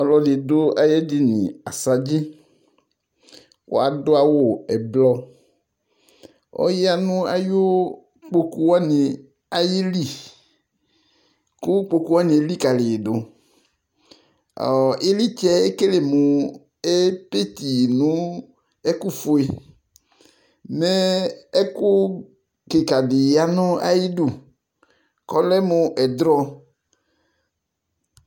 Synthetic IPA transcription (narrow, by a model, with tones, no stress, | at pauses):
ɔ˨lɔ˨dɪ˨dʊ˦a˦jɛ˦di˦nḭ̃˨a˨sa˨d͡ʒi˦ | ko̰˦a˨dʊ˦a˨wo˦˨ɛ˨blɔ˦ | ɔ̰˦ja˦nʊ̃˦a̰˦jo˦ | k͡po˦ku˦wa˦nɪ˨ | a˨jɪ˦li˦˨ | kʊ˦k͡po˦ku˦wa˦ni˨e˨˦li˦ka˨lɪ˨do˨ | ɔ̰˨ɪ˦li˦t͡ʃɛ˦e˦ke˦le˨mʊ˨ | e˦pe˦t̪i˨nʊ˦ | ɛ˦kʊ˦fʊ˨˦e˨ | nɛ˦ɛ˦kʊ˦ | kɪ˨ka˨dɪ˨a˦nʊ˦a̰˦ji˦du˨ | kɔ˦lɛ˦mʊ˨ʔɛ˨d̪ɾɔ˦